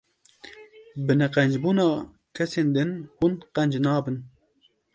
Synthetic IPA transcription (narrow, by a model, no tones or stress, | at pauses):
bɨnɛqɛnd͡ʒbuːnɑː | kʰɛseːnd̪ɨnhunqɛnd͡ʒnɑːbɨn